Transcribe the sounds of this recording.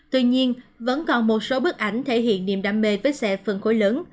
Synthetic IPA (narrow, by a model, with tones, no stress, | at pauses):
t̪wi˧ɲi˧ənvə̰˧˥nkɔ˨˩nmo˨˩t̚so˨˦ɓɨ˦˥k̚ʔa˧˩jŋ̟t̪ʰe˧˩ɦḭ˧˨ənːḭ˧˨əmɗa̰ː˧˨mme˧˩vəː˨˦jsɛ̰˧˨fɨ˨˩nxo˧˦jləː˨˦n